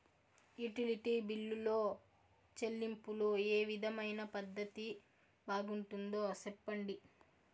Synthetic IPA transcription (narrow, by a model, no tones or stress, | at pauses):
juʈiliʈiːbilːulo̞ː | t͡ʃelːimpulueːʋid̪ʱɐmɐjnɐpɐd̪ʱːɐt̪i | baːɡuɳʈund̪oːsɛpːɐɳɖi